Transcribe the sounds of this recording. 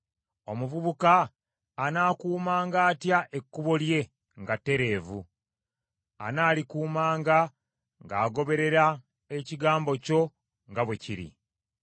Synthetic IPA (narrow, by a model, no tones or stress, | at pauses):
o̞muvuβukaː | naːkuːmaːŋɡaːtjaʔe̞kːuβo̞lje̞ | ŋɡatːe̞ɾe̞ːvṵ | a̰naːlikuːmaːŋɡa | ŋɡaːɡo̞βe̞ɾe̞ɾa | e̞ciɡaːmbo̞co̞ | ŋɡaβwe̞ciɾḭ